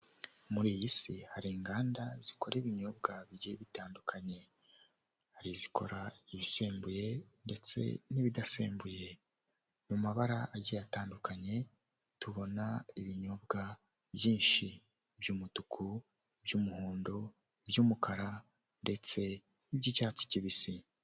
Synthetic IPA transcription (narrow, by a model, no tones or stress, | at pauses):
muɾijisihaɾiːŋɡaːndaziko̞ɾiβiɲo̞b̚ɡaβiɾeβitaːndukʰaɲe̞ | haɾizikʰo̞̰ɾaiβiseːmbuje̞nde̞t͡se̞̰niβidasḛːmbuje̞ | mumaβaɾaʔaɟijataːndukʰaɲe̞ | tuβo̞naiβiɲo̞bɡa | bjiːnʃi | bjuːmutukʰu | bjuːmuhuːndo̞ | bjuːmukʰaɾa | nde̞t͡se̞ | nibɟicaːt͡si̥ciβisi